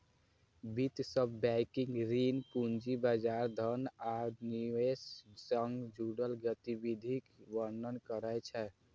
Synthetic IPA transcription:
bit̪səbːɛkĩŋɡɾinpund͡ʒibad͡ʒaɾd̪ʱənaniessəŋɡd͡ʒuɽəlɡət̪ibid̪ʱikʋəɾnənkəɾəjt͡ʃʰɛ

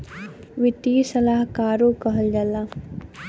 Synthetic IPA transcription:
ʋɪt̪iːsɐlaːɦkaːɾoːkɐɦəld͡ʒɐlːaː

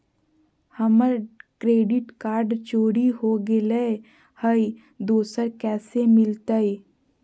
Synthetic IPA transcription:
həməɾkɾeːɖɪʈkaːɾɖt͡ʃoːɽiɦoɡɪle | həi | d̪oːsəɾkɛːsemɪlt̪əi

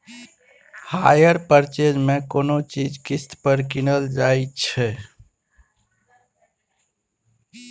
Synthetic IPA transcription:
hajəɾpəɾt͡ʃed͡ʒmekonot͡ʃid͡ʒkist̪pəɾkinəld͡ʒajt͡ʃʰɛ

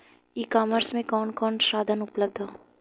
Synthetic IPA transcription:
iːkaːməɾsmẽkɔːnkɔːnʃaːd̪ʱənʊpləb̚d̪ʱaː

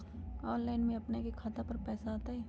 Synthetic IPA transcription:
ɔːnlaːɪnmẽɐpnekekʰat̪apɐɾpɛːsaaːt̪aɦɛː

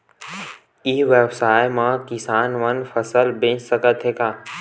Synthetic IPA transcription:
iʋeːbsaːjmãːkɪsaːnʋənfʰəsəlbẽt͡ʃsəkət̪ʰɦeːkaː

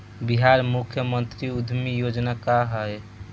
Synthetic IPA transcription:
biɦaɾmukʰjəmənt̪ɾiud̪ʱmijod͡ʒnakaɦəj

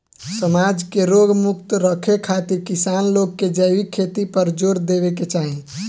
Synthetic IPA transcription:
səmad͡ʒkeɾoɡmuk̚t̪ɾəkʰekʰat̪iɾkisanloɡ̚kːed͡ʒəʋikʰet̪ipəɾd͡ʒoɾd̪ebeket͡ʃaɦĩ

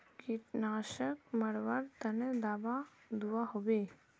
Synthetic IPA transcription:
kiʈnaːʃəkməɽʋəɾt̪ənəd̪aːbad̪uwaɦobe

